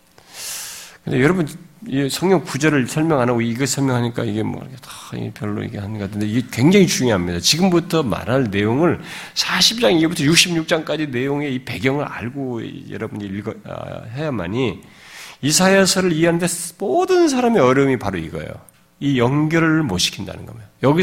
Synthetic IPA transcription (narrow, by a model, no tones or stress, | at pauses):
kkɯnd̪e̞jʌɾʌbuniesʰʌŋɲʌŋkud͡ʑʌɾɯɭsʰʌɭmjʌŋɦanaɡoiiɡesʰʌɭmʲjʌŋɦaɲik͈aiɡe̞mʌ̰ɾ̰kʰetḁ̰pjʌɭːo̰ḭɡehanɡatʰɯnde̞iɡekwe̞ŋd͡ʑaŋit͡ɕuŋjoɦamɲidat͡ɕiɡɯmbutʰʌma̰ɾɦanne̞joŋɯɭsʰaɕʰip̚t͡ɕ͈aŋibutʰʌjuk̚ɕ͈ʰimɲuk̚t͡ɕ͈aŋk͈ad͡ʑine̞joŋe̞ipe̞ɡjʌŋɯɾa̰ɭɡojʌ̰ɾʌbund͡ʑiiɭɡʌʌ̰hajama̰ɲi | isʰajesʰʌɾɯɭiɦeɦanɯntʰemodɯns̬ʰaɾame̞ʌɾjʌmipaɾoḭɡʌ̰jo̰ | ijʌŋɡjʌɾmoɕʰi̥kʰinda̰nɯ̰nɡʌmejjʌɡi